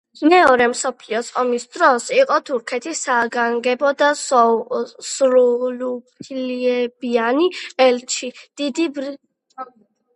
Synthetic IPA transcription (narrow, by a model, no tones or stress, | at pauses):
mɛɔɾɛmsɔpʰliɔsɔmisd̪ɾɔsiqʼɔt̪ʰuɾkʰɛt̪ʰisaɡaŋɡɛbɔd̪a | sɾulup̪ʰliɛbianiɛlt͡ʃʰid̪̥id̪ibɾi